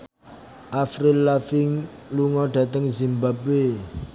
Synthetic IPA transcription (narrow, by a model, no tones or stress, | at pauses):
ʔafɾilafɪŋ | luŋɔɖ̥a̤t̪əŋzimbabwe